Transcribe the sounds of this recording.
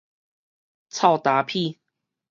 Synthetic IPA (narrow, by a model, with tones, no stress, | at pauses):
t͡sʰa˥˧wt̪a˨˦pʰi˥˧˨